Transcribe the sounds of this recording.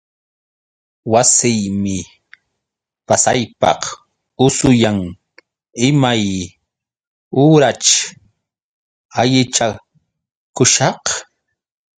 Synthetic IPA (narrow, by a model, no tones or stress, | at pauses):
wasɪjmɪ | pasajpɑ̰q | ʊsʊjaŋ | ɪmaj | uːɾat͡ʃ | aʎɪt͡ʃa | kʊʃɑq